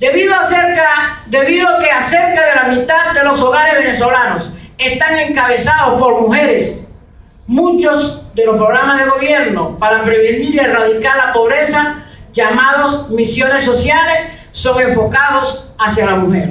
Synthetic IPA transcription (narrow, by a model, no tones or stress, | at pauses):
d̪eβiðoaseɾkad̪e̞βiðoke̞ase̞ɾkaðe̞lamit̪aðd̪e̞lo̞so̞ɣaɾe̞zβe̞ne̞so̞lano̞se̞st̪aŋe̞ŋkaβe̞saðo̞spo̞ɾmuxe̞ɾe̞s | mũt͡ʃo̞zd̪e̞lospɾo̞ɣɾamazðe̞ɣo̞β̞je̞ɾno̞paɾapɾeβeniɾie̞raðikaɾlapo̞βɾe̞saʝamað̞o̞smisjo̞ne̞so̞sjale̞sː | o̞ŋe̞ɱfo̞kað̞o̞sasjalamuxe̞ɾ